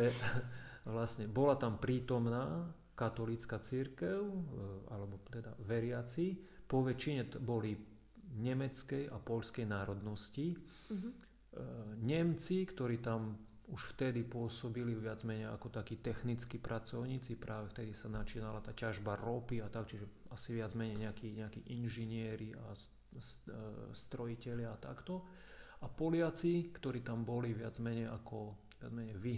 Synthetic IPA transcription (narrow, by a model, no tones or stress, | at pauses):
ɛ | ʋlasɲɛbɔlat̪ampɾiːt̪ɔmnaː | kat̪ɔlit͡skat͡siɾkɛʊa̰lɛbɔt̪ɛd̪a̰ʋɛɾɪat͡sipɔʋɛt͡ʃiɲɛbɔli | ɲɛmɛt͡skɛjapɔʎskɛjnaːɾɔd̪nɔsci | ɲɛmt͡sikt̪ɔɾiːt̪am | uʃft̪ɛd̪ipʊɔsɔbiliʋɪad͡zmɛɲɛja̰kɔt̪akiːt̪ɛxnit͡skipɾʔat͡sɔʊɲiːt͡sipɾʔaːʋɛft̪ɛd̪isanat͡ʃiːnalat̪aːcaʒbaɾɔpiat̪akt͡ʃiʒɛasiʋɪad͡zmɛɲɛjɲɛakiːɲɛakiːʔinʒiɲɪɛɾia̰ | sst̪ɾɔjicɛʎɪaat̪a̰kt̪ɔ | apɔlɪat͡sikt̪ɔɾiːt̪ambɔliʋɪad͡zmɛɲɛjʔakɔ | ʋɪa̰d͡zmɛɲɛjʋi